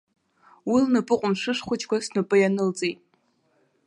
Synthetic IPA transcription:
wilnɨpʼɨqʷʼʊmʂɨʂχʷʊt͡ʃʰʼkʷasnɨpʼɨjanɨlt͡sʼejtʼ

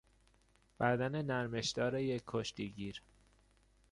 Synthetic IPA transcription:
b̥æd̪ænenæɾmeʃd̪ɒːɾejeːoʃt̪iɟiːɾ

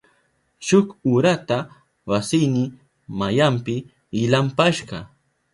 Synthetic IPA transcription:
ʃʊkʊɾat̪a | wasɪjnɪ | majampɪː | lampaʃɢɑ

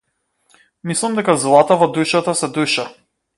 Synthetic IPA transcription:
mislˠamd̪ɛkazlˠat̪avɔd̪ujʃat̪asɛd̪ujʃa

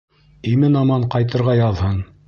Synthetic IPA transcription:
imɘnɑmɑɴqɑjt̪ɤ̆ɾʁɑjɑðhɤn

